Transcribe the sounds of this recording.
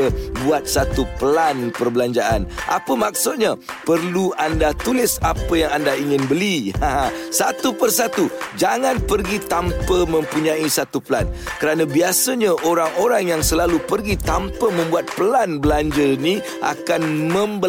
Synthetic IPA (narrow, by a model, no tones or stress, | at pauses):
əbuat̪̚sat̪upəlanpərbəlaɲd͡ʒaʔanʔa̰pəmak̚sʊt̪̚ɲa | pərluandat̪ulɪsapəjaŋandaiŋɪnbəliaɦãsat̪upərsat̪ud͡ʒaŋãnpərɡit̪ampəmə̃mpuɲãisat̪upəla̰nkəɾanãbiasəɲãʔoɾaŋoɾaŋjaŋsəlalupərɡit̪ampəmə̃mbuat̪̚pəlanbəlaɲd͡ʒəni | ʔa̰kanmə̃mbə